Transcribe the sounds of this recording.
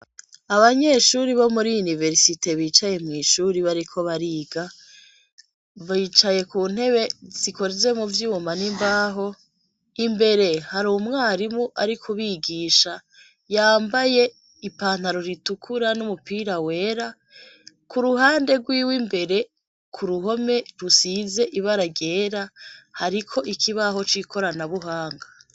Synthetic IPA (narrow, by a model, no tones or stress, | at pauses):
aβaɲe̞ːʃuɾiβo̞muɾijunive̞ɾsite̞βiːt͡ʃaje̞mŋiːʃuɾiβaɾikʰo̞βaɾiːɡa | βiːt͡ʃaje̞kuːn̥he̞βe̞z̥iko̞ɾeze̞muvjuːmanimbaːɦo̞ | imbe̞ɾe̞haɾumŋaːɾimuʔaɾikʰuβiɡiːʃa | jaːmbaje̞ | ipaːn̥haɾo̞ɾitukʰuɾanumupiːɾawe̞ːɾa | kuɾuɦaːnde̞ɡwiːwimbe̞ɾe̞ | kʰuɾuɦo̞me̞ɾusize̞ʔiβaɾaɡe̞ːɾahaɾikʰo̞ʔikʰiβaɦo̞t͡ʃikʰo̞ɾanaβuɦaːŋɡa